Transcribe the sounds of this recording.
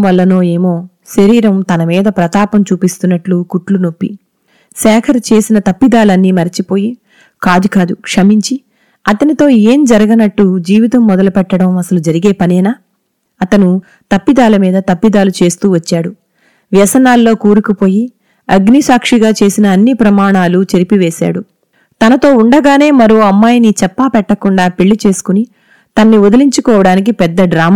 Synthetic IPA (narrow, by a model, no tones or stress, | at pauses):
ʋɐlːɐno̞ːe̞ːmo̞ː | ʃɐɾiːɾɐmt̪ɐnɐmiːd̪ɐpɾɐt̪aːpɐmt͡ʃuːpist̪unːɐʈlukuʈluno̞pːḭ | sɛːkʰɐɾɐt͡ʃe̞ːsinɐt̪ɐpːid̪aːlɐnːiːmɐɾit͡ʃipo̞ːji | kaːd̪ukaːd̪ukʂɐmiɲt͡ʃi | ɐt̪ɐnit̪o̞ːeːmd͡ʒɐɾɐɡɐnɐʈːud͡ʒiːʋit̪ɐmːɔd̪ɐlupɛʈːɐɽɐmɐsɐlud͡ʒɐɾiɡe̞ːpɐnɛːnaː | ɐt̪ɐnu | t̪ɐpːid̪aːlɐmiːd̪ɐt̪ɐpːid̪aːlut͡ʃe̞ːst̪uːʋɐt͡ʃːaːɽu | ʋjɐsɐnaːlːo̞ːkuːɾukupo̞ːji | ɐɡnisaːkʂiɡaːt͡ʃe̞ːsinɐːnːipɾɐmaːɳaːlut͡ʃeɾipiʋeːsa̰ːɽu | t̪ɐnɐt̪o̞ːuɳɖɐɡaːne̞ːmɐɾoɐmːaːjnit͡ʃɛpːaːpɛʈːɐkuɳɖaːpeɭːit͡ʃe̞ːsu̥kuni | t̪ɐnːiɔd̪ɐliɲt͡ʃukɔːʋɐɽaːnik̬ipɛd̪ːɐɖɾaːm